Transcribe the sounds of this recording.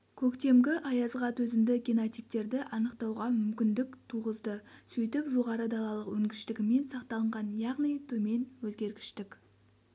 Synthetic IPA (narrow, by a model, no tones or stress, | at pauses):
kʲʰɵkt̪e̞mɡʲɪʔɑjɑzʁɑt̪wɵzɪmd̪ɪɡʲinot̪ijp̚t̪e̞ɾd̪ɪʔɑnəqt̪ɑwʁɑmʏmkʲɪnd̪ɪkt̪ʰuʁəzd̪əsɵjt̪ɪpʒo̞ʁɑɾəd̪ɑlˠɑlˠəqwɵŋɡʲɪʃt̪ɪɡʲɪme̞nsɑqt̪ɑlˠəɴʁɑnjɑʁnijt̪ʰɵme̞nwɵzɡʲe̞ɾɡʲɪ̥ʃt̪ɪkʲ